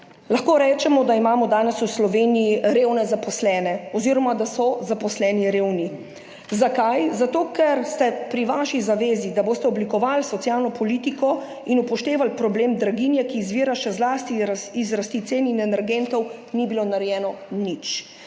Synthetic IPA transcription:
laxkoːɾɛːt͡ʃɛmɔd̪aimaːmɔd̪aːnɛsuwslɔʋeːnijiɾeːwnɛzapɔslɛːnɛɔziːɾɔmad̪asɔzapɔslɛːniɾeːwni | zakajzat̪oːkɛɾst̪ɛpɾiʋaʃizaʋeːzid̪aboːst̪ɛɔblikɔʋalsɔt̪sjalnɔpɔliːt̪ikɔ | inupɔʃt̪eːʋalpɾɔbleːmd̪ɾaɡinjɛkiːzʋiːɾaʃɛzlaːst̪iizɾast̪it̪seːninɛnɛɾɡent̪ɔwnibilonaɾɛjɛːnɔnit͡ʃ

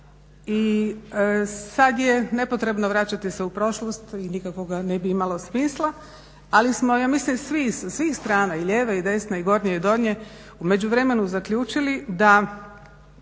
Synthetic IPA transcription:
i | sad̪jene̞po̞t̪ɾe̞bnoʋɾat͡ɕat̪iseupɾo̞ʃlˠost̪inikako̞ɡane̞biimalo̞smislˠa | alismo̞jaːmislimsʋisasʋiːxst̪ɾaːnaiʎeːʋaid̪e̞snaiɡo̞ɾɲeid̪o̞d̪ɲe | ume̞d͡ʑuʋɾe̞me̞nuzakʎʲuːt͡ʃilid̪a

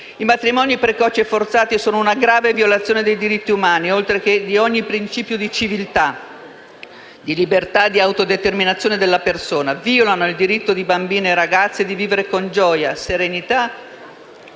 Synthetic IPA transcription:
imat̪ɾimɔnipɾekɔt͡ʃiefort̪saːt̪isoːnounaɡɾaːvevjolat̪sːjoːned̪ejd̪iɾit̪ːiumaːniolt̪ɾek̟ed̪iɔɲːipɾint͡ʃiːpjod̪it͡ʃivilt̪a | d̪ilibert̪ad̪ːiawt̪od̪et̪erminat̪sjoned̪elːapersoːnaviolanoild̪iɾit̪ːod̪ibambiːneɾaɡat̪sːed̪iviːveɾekond͡ʒɔːjaseɾenit̪a

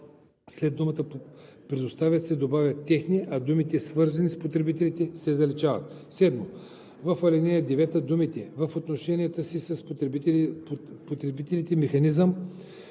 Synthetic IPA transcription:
slɛd̪umət̪ə | pɾɛd̪ost̪avʲjət̪sɛd̪obavʲjɐt̪ːɛxniʔɐd̪umit̪ɛsvɤɾzɐnispot̪ɾɛbit̪ɛlit̪ɛsɛzɐlit͡ʃavɐ̰t̪sɛd̪mo | vəfɐlʲɛnɛjəd̪ɛvɛt̪əd̪umit̪ɛvəfot̪noʃɛnʲijɐt̪əsisəs | pot̪ɾɛbit̪ɛlit̪ɛmɛxɐnizəm

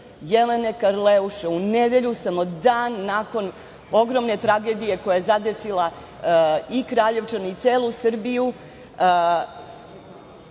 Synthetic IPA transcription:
jelene̞kaɾleuʃeuned̪e̞ʎusamod̪aːnːako̞n | o̞ɡɾo̞mne̞t̪ɾaɡe̞ːd̪ije̞ko̞jajezad̪e̞silˠa | ikɾaːʎe̞ʋt͡ʂanait̪seːlˠusr̩biju

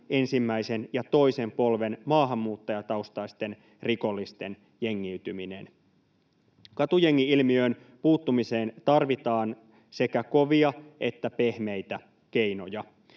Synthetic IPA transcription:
e̞nsimːæise̞njɑt̪o̞ise̞mpo̞lʋe̞nmɑːɦɑmːuːt̪ːɑjɑt̪ɑust̪ɑist̪e̞n | riko̞lːist̪e̞n | jeŋːiyt̪ymine̞̰n | kɑt̪ujeŋːiilmiø̞ːn | puːt̪ːumise̞ːnt̪ɑrʋit̪ɑːn | se̞kæko̞ʋiɑʔe̞t̪ːæpe̞hme̞jt̪æ | k̟e̞jno̞jɑ

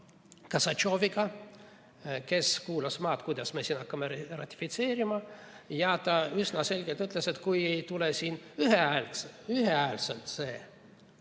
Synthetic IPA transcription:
kɑsɑt͡ʃo̞ːviɡ̥ɑ | ke̞skuːlɑsmɑːt̪kujd̪̥ɑsmesiːnɑkːɑmerɑ̰t̪ʲːi̥fit̪se̞ːɾimɑjɑt̪ɑysnɑse̞lʲɡ̥elt̪yt̪ˑlese̞t̪kuje̞jt̪ulesiːnyɦeɑelyɦeɑelselt̪se̞ː

